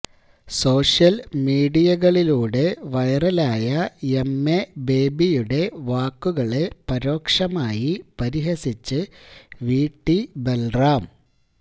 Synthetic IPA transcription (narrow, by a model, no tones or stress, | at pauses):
so̞ːʂjɐlmiːɽijɐɣɐɭiluːɽe̞ʋɐjrɐlaːjɐemːebe̞ːbijuɽe̞ʋaːkːuɣɐɭe̞pɐɾo̞ːkʂɐmaːjipɐɾiɦɐsit͡ɕːɨʋiːʈːibelraːm